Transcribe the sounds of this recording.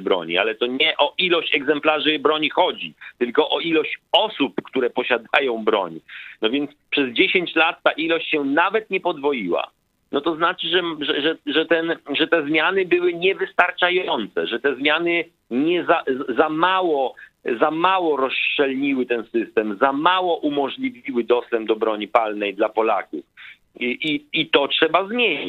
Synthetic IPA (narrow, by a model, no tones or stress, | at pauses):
bɾɔ̰ɲḭa̰lɛt̪ɔɲɛʔɔʔilɔɕt͡ɕɛɡzɛmplaʐɘbɾɔɲixɔd͡ʑit̪ɘlkɔʔɔilɔɕt͡ɕɔsupkt̪uɾɛpɔɕad̪ajɔ̃w̃bɾɔ̰ɲnɔvʲjɛnt̪spʂɛzd͡ʑeɕeɲt͡ɕlat̪ːaʔilɔɕt͡ɕɕɛnavɛt̪ɲɛpɔd̪vɔjiwa̰ | nɔt̪ɔznat͡ʂɘʐɛʐɛʐɛʐɛt̪ɛnʐɛt̪ɛzmʲjanɘbɘwɘɲɛvɘst̪aɾt͡ʂajɔnt̪sɛ̰ʐɛt̪ɛzmʲjanɘ | ɲɛzazamawɔzamawɔɾɔst͡ʂɛlɲiwɘt̪ɛnsɘst̪ɛmzamawɔʔumɔʐlʲivʲiwɘd̪ɔst̪ɛmb̚d̪ɔbɾɔɲipalnɛjd̪lapɔla̰kṵf | ʔiit̪ɔtʂɛbazmʲjeɲi